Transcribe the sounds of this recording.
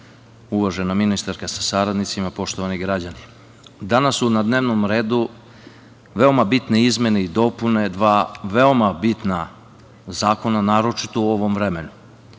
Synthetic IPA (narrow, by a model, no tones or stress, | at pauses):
uʋaʒenaminist̪aɾkasḁsaɾad̪nit̪simapo̞ʃt̪oʋaniɡɾad͡ʑani | d̪anasːunad̪neʋnomɾe̞ːd̪u | ʋe̞o̞mabit̪ne̞izme̞neid̪o̞pune̞d̪ʋaːʋe̞o̞mabit̪na | zaːko̞nanaːɾo̞t͡ʃit̪ouo̞ʋo̞mʋɾe̞me̞nu